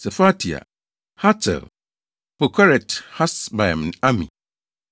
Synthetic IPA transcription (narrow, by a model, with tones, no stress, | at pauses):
sɛ˨fa˦tʰi˨a̰˨ | ha˦tʰɛ̰˨l | po˨kʰa˦ɾɛ˨tha˦sba˨ɛ˨m˨n˨a˦mḭ̃˨